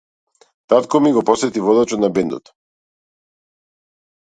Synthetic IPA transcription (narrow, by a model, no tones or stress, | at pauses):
t̪at̪kɔmiɡɔpɔsɛt̪ivɔd̪at͡ʃɔt̪nabɛnd̪ɔ̰t̪